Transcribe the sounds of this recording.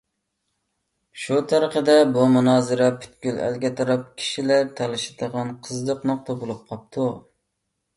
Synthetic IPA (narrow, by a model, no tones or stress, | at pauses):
ʃut̪ʰɑɾəqəd̪ɛbumunɑːzɨɾɛpʰy̥t̪̚kʲylæ̰lɡʲɛt̪ʰɑɾɑp̚kʲʰi̥ʃilæɾt̪ʰɑlˠɪʃɪ̥d̪əʁɑnqʰəzd̪əqnʊχt̪ʰɑbolˠup̚qʰɑp̚t̪ʰu